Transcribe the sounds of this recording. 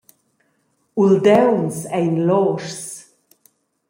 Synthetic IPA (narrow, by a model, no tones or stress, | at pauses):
uld̪ɛwnsɛjnlɔːɾs